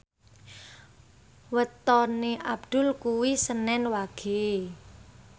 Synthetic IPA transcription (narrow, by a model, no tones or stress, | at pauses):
wət̪ɔneʔab̚d̪̥ʊ̤lkuwisənɛnwaɡ̥e